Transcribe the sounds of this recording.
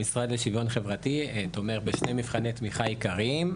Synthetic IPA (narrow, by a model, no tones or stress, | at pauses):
isʁad̪leʃivo̞nχevʁatit̪omeʁbeʃne̞mifχanet̪miχaikaʁim